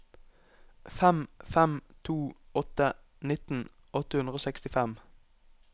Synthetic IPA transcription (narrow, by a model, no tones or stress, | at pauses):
fɛmfɛmt̪ʰuːɔt̪ə | nɪt̪n̩ | ɔt̪əhʉnd̪ʁəoːsɛkst̪ɪfɛm